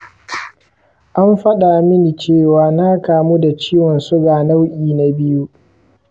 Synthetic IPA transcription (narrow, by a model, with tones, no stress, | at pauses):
ʔa˦mɸɐ˦ɗa˨mɪ˦ni˨t͡ʃeː˦˨waː˦na˦kaː˨mu˦da˨t͡ʃiː˦wɔ˨nsʊ˦ɡaː˨na˦wʔʲʼiː˨na˨bɪ˦ju˦